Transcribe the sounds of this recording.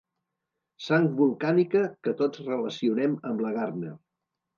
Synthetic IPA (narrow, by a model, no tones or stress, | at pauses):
saŋkβulˠkanikəkət̪od͡zrələsiunɛməmləɣarnə